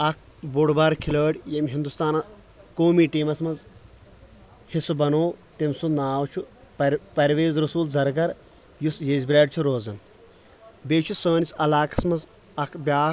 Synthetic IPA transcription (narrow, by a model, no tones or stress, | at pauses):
ɐkʰ | buɽbaɾkʰiləːɽʲjemɦind̪ust̪aːnɐ | koːmiːʈiːmɐsmɐz | hisubɐnoːt̪imsunaːwt͡ʃʰu | pɐɾʋeːzɾɐsuːlzɐɾɡɐɾ | jusjezʲbʲɾʲaːɖ̚ʲt͡ʃʰuɾoːzɐn | beːt͡ʃʰusəːnisɐlaːkɐ̥smɐz | ɐkʰbʲjaːs